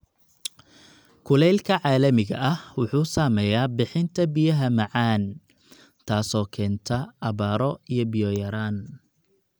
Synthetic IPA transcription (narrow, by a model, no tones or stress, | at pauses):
kʰʊlɛjlkʰɐʕaːlɐmɪɣɐ̰ʔɐhwʊħuːsaːmɛːjaːbɪħɪnt̪ʰɐbɪjɐɦɐmɐʕaːn | t̪ʰaːsɔːkʰɛːnt̪ʰɐɐβaːɾɔijɔbɪjɔːjɐɾaːn